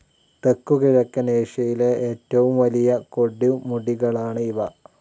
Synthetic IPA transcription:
t̪e̞kːukiɻɐkːɐneːʂɐjileeːtːɐʋumʋɐlijɐko̞ɽːumuɽiɣɐɭaːɳɨiʋɐ

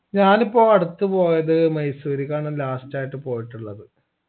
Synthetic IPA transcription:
ɲaːnipːo̞ːɐɽut̪ːɨpo̞ːjɐðɨmɐjsuːɾikːaːɳɐlaːstaːjiʈːɨpo̞ːjiʈːuɭːɐðɨ

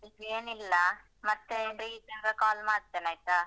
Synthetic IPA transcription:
ibeːnilːɐ | mɐt̪ːeɾiːsɐŋɡɐkaːlmaːɾt̪ːenaːjt̪a

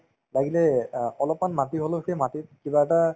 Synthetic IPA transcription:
laɡilɛɔlɔpmanmatiɦoloxejmatit̚kibaɛta

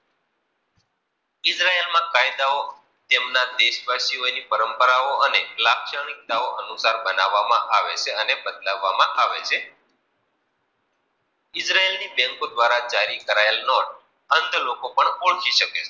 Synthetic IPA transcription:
ɪsɾaelmãkajd̪ao | t̪emnad̪eʃbʱaʃionipəɾəmpəɾaoənelakʃəɳ̃ik̚t̪aoʔənusaɾbənaʋːamã̰ʔaʋet͡ʃʰeənebəd̪laʋːamãʔaʋet͡ʃʰe | ɪsɾaelnibɛ̃ŋkod̪ʋaɾad͡ʒaɾikəɾaelnoʈ | ənd̪ʱlokopəɳoɭkʰiʃəke

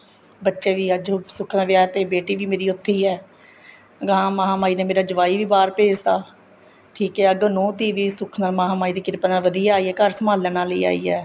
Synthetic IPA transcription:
bətːʃeːʋiːəd͡ʒsʊkʰnãːʋɪjaːt̪eːbeːʈiːʋiːmeːɾiːʊt̪ʰːiːɛː | ɡãːmaːɦaːmaːiːneːmeːɾaːd͡ʒəʋaːiːʋiːbaːɾpeːd͡ʒt̪aː | ʈʰiːkɛːəɡoːnɔ̃ːt̪iːʋiːsʊkʰnaːlmaːɦaːmaːiːd̪eːkɪɾpnaːʋəd̪ijaːaːiːɛːkəɾsəmaːlːɛːñaːləḭːa̰ːḭːɛ̰ː

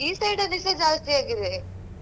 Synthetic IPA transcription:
iːsɐɾɖɐlisɐd͡ʒaːst̪ijaːɡiɾe

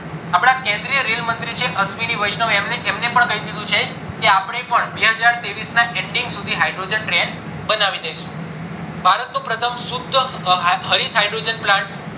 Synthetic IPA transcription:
apɽ̃akẽnd̪ɾijəɾilmənt̪ɾit͡ʃʰeʔəsʋiniʋəjʃnəʋemeemnepəɳkəid̪id̪ũt͡ʃʰe | keapɳ̃epəɳbeɦəd͡ʒaɾt̪eʋisnaʔeɳɖiŋɡsud̪ʱiɦajɖɾod͡ʒənʈɾen | bənaʋid̪ejʃu̥ | bʱaɾət̪nopɾət̪ʰəmsud̪ʱːəɦəɾit̪ɦajɖɾod͡ʒənplãɳʈ

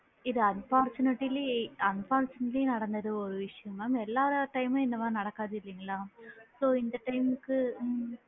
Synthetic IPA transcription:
iðɨɐnfaːrt͡ɕunɐʈːiliɐnfaːrt͡ɕunɐʈlinɐɽɐnːɐðɨoɾuʋiʂjɐmaːmelːaːʋɾaʈɐjmɐenːɐʋaːnɐɽɐkːaːðilːɐŋɡiɭamsoːind̪ɐʈːɐjmkːɨ

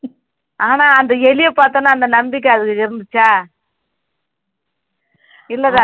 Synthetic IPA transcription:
ʔaːnaːɐnd̪ɐɛlɪjɐpaːɾt̪õːnːaːɐnd̪ɐnɐmbɪk̬ːɐɐðɯkːɯɪɾɯnd̪ɯt͡ʃːaː | ɪlːɐðãː

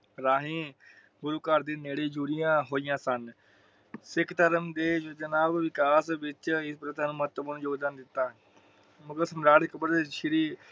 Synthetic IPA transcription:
ɾaːɦĩː | bʊɾuːkəɾd̪eːneːɽeːd͡ʒuːɾijãːɦoːijãːsən | sɪkʰt̪əɾəmd̪eːd͡ʒd͡ʒənaːbʋɪkaːsʋɪt͡ʃɪspɾət̪ãːnũːməət̪ːəbmənud͡ʒoːɡd̪aːnd̪ɪt̪ːaː | mʊkəsəmɾaːɽekəbəɾd̪eːʃɪɾiː

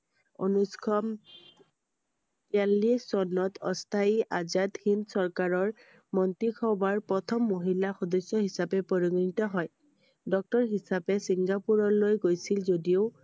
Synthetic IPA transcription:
o̰nuskʰɔm | tialːisɔnːɔtʰɔstʰaiʔazad̪hinsɔɹkaɹɔɹ | mɔntikʰɔbaɹpɔt̪ʰɔmːoɦilaxɔdɔsːɔɦisapɛpɔɹiɡnitɔɦɔj | dɔk̚tɔɹɦisapɛsiŋɡapuɹɔlojɡojsilzodioʊ

